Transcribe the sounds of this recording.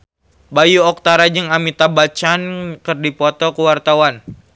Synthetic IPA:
bajuɔk̚t̪aɾad͡ʒɨŋamit̪abat͡ʃankərdipɔt̪ɔkuwart̪awan

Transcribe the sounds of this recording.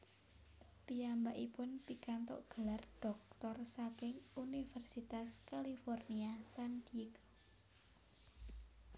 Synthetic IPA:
piambaʔipʊnpikant̪ɔ̰ʔɡ̥ə̤larɖ̥ɔ̤k̚t̪ɔrsakɪŋunifɛrsit̪askalifɔrniasand̪kɔ

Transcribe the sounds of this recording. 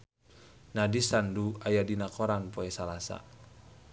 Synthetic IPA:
nadisanduajadinakɔɾanpɔɛsalasa̰

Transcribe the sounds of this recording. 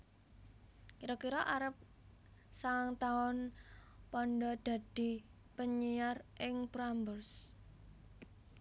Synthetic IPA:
kiɾɔkiɾɔʔaɾəp̚ | saŋt̪aʊnpɔnɖɔd̪̥a̤d̪̥i̤ | pəɲijarʔɪŋbɾambərs

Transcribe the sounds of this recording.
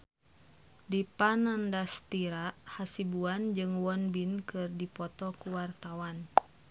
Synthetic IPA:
dipanandast̪iɾaʔhasibuand͡ʒɨŋwɔnbinkɨrdipɔt̪ɔkuwart̪awan

